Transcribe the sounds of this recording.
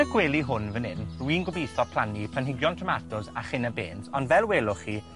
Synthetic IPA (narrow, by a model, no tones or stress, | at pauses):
əɡweːlˠiɦʊnvənɪnrwiːnɡʊbejθɔpʰl̥ˠanipʰlanɦɪɡjɔntʰrəmatʊzaχɪnəbeːntɔndvɛlˠweːlˠʊχi